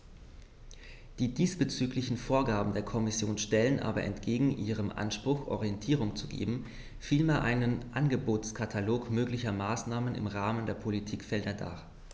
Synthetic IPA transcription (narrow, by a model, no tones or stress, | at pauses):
d̥iːdiːsb̥ət͡syːklɪçn̩foːɐɡaːbm̩deːɐkʰɔmɪsjoːnʃtɛlənʔa̰ːbɐʔɛ̰ntɡ̥eːɡŋ̩ʔḭːʁ̞əmʔa̰nʃpʁ̥ʊxʔɔ̰ʁijɛntʰiːʁʊŋt͡suɡḛːbm̩ | fiːlmeːɐʔaɪnənʔanɡəboːtt͡skʰatʰaloːkmøːklɪçɐmaːsnaːmənɪ̰mʁaːməndeːɐpʰolitʰiːkfɛldɐda̰ː